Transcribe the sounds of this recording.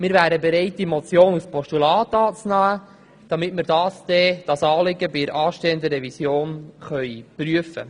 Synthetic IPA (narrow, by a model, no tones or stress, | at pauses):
mɪːɾvæːɾəbeɾɛɪt̚dimot͡sjoːnuspɔʃtulɑːtɑːt͡snæː | d̥ɑmɪtmɪɾdɑːsd̥̪ɛd̥ɑsɑːlɪɡəbɪɾʔɑːʃteːənd̪əɾɛvisjoːnχœʏpɾyəfə̰